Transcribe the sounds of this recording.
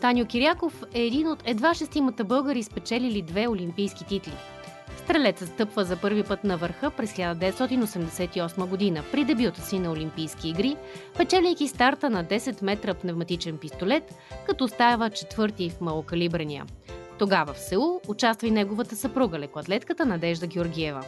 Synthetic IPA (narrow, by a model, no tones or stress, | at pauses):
t̪anjokʲiɾjakofɛːd̪inot̪ʰɛd̪vaʃɛst̪imət̪əbɤlˠɡəɾispɛt͡ʃɛlilid̪vɛolʲimpijskit̪it̪lḭ | st̪ɾɛlɛt̪səst̪ɤpvəzɐpɤɾvipɤt̪nɐvəɾxɤpɾɛsxlʲad̪əd̪ɛvɛt̪st̪ɔt̪inosɛmd̪ɛsɛt̪iɔsməɡod̪inəpɾid̪ɛbjut̪əsinɐolʲimpijsk̟ʲiːɡɾipɛt͡ʃɛlʲɛjk̟ist̪aɾt̪ənɐd̪ɛsɛt̪mɛt̪ɾəpnɛvmɐt̪it͡ʃɛnpist̪olɛt̪ | kɐt̪ɔst̪avət͡ʃɛt̪vɤɾt̪ifmɐlˠokɐlibɾəniə̰t̪oɡavɐfsɛlˠuːt͡ʃast̪vəjnɛɡovət̪əsɐpɾuɡəlɛkoɐt̪lɛt̪kət̪ənɐd̪ɛʒd̪əɡʲɛoɾɡʲiɛvə̰